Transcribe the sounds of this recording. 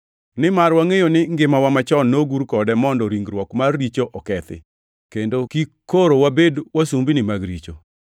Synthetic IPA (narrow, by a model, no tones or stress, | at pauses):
nɪmarwaŋejonɪŋɡɪmawamat͡ʃɔnːoɡuɾkɔdɛmɔndɔɾiŋɡɾwɔkmarːit͡ʃoʔɔkɛt̪ɪ̰ | kendokikoɾowabedwasumbinɪmaɡɾḭt͡ʃo